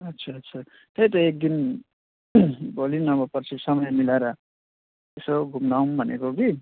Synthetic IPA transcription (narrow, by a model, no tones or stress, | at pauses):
ʌtːsʰaʌtːt͡sʰa | t̪ejt̪ʌek̚d̪in | bʱolinʌbʌpʌrt͡sʰisʌmʌjmilaɾʌ | t̪esoɡʱumnawnbʱʌnḛkoɡi